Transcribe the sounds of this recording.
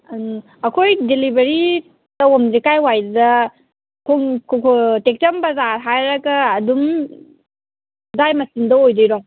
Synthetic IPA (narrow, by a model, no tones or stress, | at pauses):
ɐkʰojdelibeɾi | dɐomzikajwajddɐ | kʰoŋkʰokʰotek̚tɐmbɐzaɦajɾɐɡɐːdum | zajmɐsindɐojdijɾɔŋ